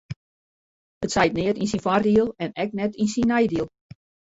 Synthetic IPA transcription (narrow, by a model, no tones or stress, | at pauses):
ətsɛjt̚nɪətinsinfardiəlˠɛnɛk̚nɛtinsinɛjdiəlˠ